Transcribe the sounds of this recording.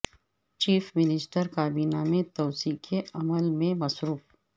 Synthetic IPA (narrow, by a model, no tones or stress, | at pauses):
t͡ʃiːfmɪnɪsʈəɾkaːbiːnamẽt̪ɔːsiːkʰeɐməlmẽmɐsɾuːf